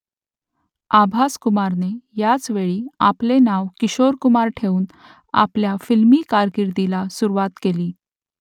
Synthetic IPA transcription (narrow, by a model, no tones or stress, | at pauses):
abʱaskumaɾnejat͡sʋeɭiːaplenaʋkiɕoɾkumaɾʈʰeuːn | a̰pljafilmiːkaɾɡiɾd̪ilasuɾuʋat̪keliː